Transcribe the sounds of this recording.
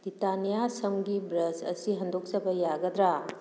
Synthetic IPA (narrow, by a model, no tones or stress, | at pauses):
bɾitanijasɐmɡibɾɐsɐ̰siɦɐndok̚sɐbɐjaɡɐd̪ɾa